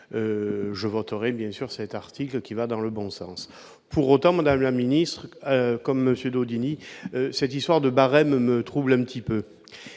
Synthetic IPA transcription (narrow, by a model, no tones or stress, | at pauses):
øʒəvɔt̪əʁɛbjɛ̃syʁsɛt̪aʁt̪ʰiklkʲivad̪ɑ̃ləbɔ̃sɑ̃s | pʰuʁot̪ɑ̃mad̪amlaminist̪χəkɔmːəsjød̪od̪iniøsɛt̪ist̪waʁd̪əbaʁɛmmət̪χublɛ̃pət̪ipø